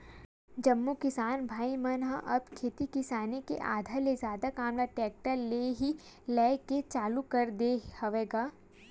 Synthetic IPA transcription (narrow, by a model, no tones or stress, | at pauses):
d͡ʒɐmːukɪsaːnbʱaːimɐnɦaʔɐb̚kʰeːt̪ikɪsaːnekḛʔa̰ːd̪ʱalezjaːd̪akaːmlaʈɛːk̚ʈəleɦi | lɛːket͡ʃaːlukɐɾd̪ehɐʋeːɡaː